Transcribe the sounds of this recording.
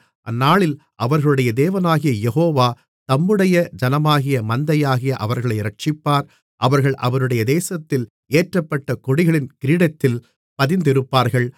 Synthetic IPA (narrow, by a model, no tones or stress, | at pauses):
ʔɐnːaːɭɪl | ʔɐʋɐɾɣɐɭɯɽɐjɐd̪eːʋɐnaːɣɪjɐjɛɦoːʋaː | t̪ɐmːɯɽɐjɐd͡ʒɐnɐmaːɣɪjɐmɐnd̪ɐjaːɣɪjɐʔɐʋɐɾɣɐɭɐɪɾɐʈ̚t͡ʃɪpːaːɾ | ʔɐʋɐɾɣɐɭʔɐ̰ʋɐɾɯɽɐjɐd̪eːsɐt̪ːɪl | eːʈrɐpːɐʈːɐkɔɽɪɣɐɭɪnkɪɾiːɽɐt̪ːɪl | pɐðɪnd̪ɪɾɯpːaːɾɣɐɭ